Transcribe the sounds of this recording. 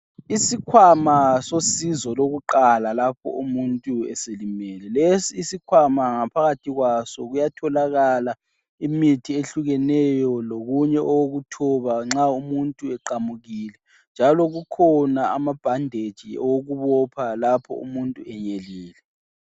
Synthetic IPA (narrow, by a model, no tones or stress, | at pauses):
isikʰwamasosizɔloɣuǃalalapʰɔ̰umuntʼuɛ̰selimɛlɛlesiːsikʰwamaŋapʰaɣatʰiɣwasɔɣujatʰɔlaɣala | imitʰieɬuɣɛnɛjɔloɣuɲɛʔɔwoɣutʰɔβaŋ͡ǁaumuntʼuɛǃamuɣiːlɛ | nd͡ʒʱalɔɣukʰɔnaamab̥ʱandʱed̥ʒ̥ʱiɔwoɣuβɔpʰalapʰɔ̰ṵmuntʼuɛɲeliːlɛ